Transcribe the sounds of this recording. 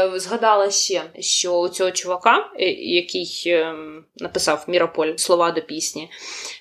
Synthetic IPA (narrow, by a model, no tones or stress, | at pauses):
zɦɐd̪ɑlˠɐʃʲɛʃt͡ʃɔʊt͡sʲɔɦɔt͡ʃʊʋɐkɑjɐkɪj | nɐpɪsɑwmʲiɾɐpɔlʲslˠɔʋɑd̪ɔpʲisʲnʲi